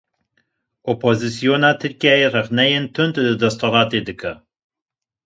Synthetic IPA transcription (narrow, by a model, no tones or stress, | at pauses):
ʔopʰozɨsijoːnaːt̪ʰɨɾkijaːjerɛχnɛjent̪ʰɨnt̪lɨd̪ɛst̪ʰoɾɑːt̪eːd̪ɨkʰɐ